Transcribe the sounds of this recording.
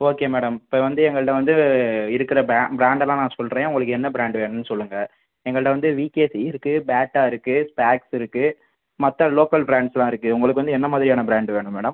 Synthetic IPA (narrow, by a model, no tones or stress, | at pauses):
oːkeːmeːɽɐmɪpːɐːʋɐnd̪ɯɛŋɡɐɭɯɽɐʋɐnd̪ɯɪɾɯkːɪɾɐbaːbɪɾaːɳɖɛlãːnãːsɔlɾẽːʊ̃ŋɡɐɭɯkːɯɛnːɐbɪɾaːɳɖʋeːɳnːɯsɔlːɯŋɡɐ | ɛŋɡɐɭɯɽɐʋɐnd̪ɯʋiːkeːsiɪɾɯkːɯbaːʈːaːɪɾɯkːɯspaːksɪɾɯkːɯ | mɐt̪ːɐloːkɐlbɪɾaːɳɖslãːɪɾɯkːɯʊŋɡɐɭɯkːɯʋɐnd̪ɯɛnːɐmaːðɪɾɪjaːnɐbɪɾaːɳɖʋeːɳɯmeːɽɐm